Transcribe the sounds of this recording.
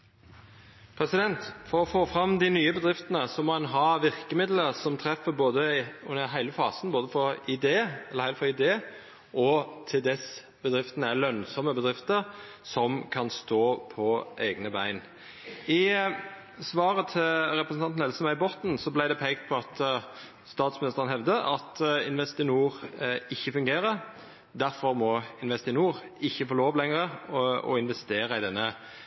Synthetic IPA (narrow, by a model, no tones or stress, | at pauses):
pʰɾɛsɪd̪ɛnt̪fɔɾɔfoːfɾɑmd̪ɪnyːəbəd̪ʁɪft̪ənəsɔmɔːhɑnɦɑʋɪʁkəmɪd̪ləɾsɔmt̪ʰɾɛfəboːd̪əʉnəɦæɪləfɑːsənboːd̪əfɔɾɪd̪eːlːəʁhæɪlfɔʁɪd̪eː | ʔɔt̪ʰɪld̪ɛs | bəd̪ɾɪft̪ənəælœnsɔməbəd̪ʁɪft̪əɾ | sɔmkʰɑnst̪oːpʰɔʔeːɡnəbæɪn | ɪ | sʋɑːʁət̪ʰɪlɾɛpɾəsnɑnnɛlsəmæʏbɔt̪n̩sɔblæɪd̪ɛpʰɛɪkt̪̚pʰɔɑt̪ | st̪ɑːt̪smɪnɪst̪əʁənhɛʋd̪əʔɑt̪ɪnʋɛst̪ɪnuːʁɪçːəfʉŋɡeːɾəɾ | d̪æɾfɔʁmɔɪnʋɛst̪ɪnuːʁɪçːəfoːloːʋlɛŋəʁəɔ̰ɪnʋɛst̪eːɾəɪd̪ɛnːə